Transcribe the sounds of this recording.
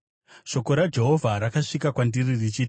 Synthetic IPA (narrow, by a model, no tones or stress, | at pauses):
ʃo̞ko̞ɾad͡ʒe̞ɦo̞vʱaɾakaʂikakwandiririt͡ʃiːt